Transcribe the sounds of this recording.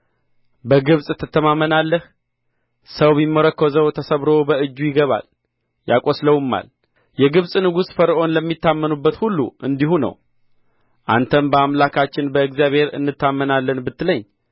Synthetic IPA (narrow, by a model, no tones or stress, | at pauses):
bəɡɨβsʼɨt̪ʰːɨt̪ʰːəmamːənalːəh | səwbimːəɾəkʰːəzəwt̪ʰəsəβɾo̞bəɨd͡ʒːujɪɡəβa̰l | ja̰kʼo̞sləwɨmːa̰l | jɛɡɨβsʼnɨɡusfəɾʔo̞nləmːit̪ːamːənubːət̪hulːṵʔɨnd̪ihunə̰w | ʔa̰nt̪ʰəmbəamlakʰat͡ʃːɪnbəɨɡzjaβhe̞ɾɨ̰nːɨt̪ːamːənalːənbɨt̪ːləɲː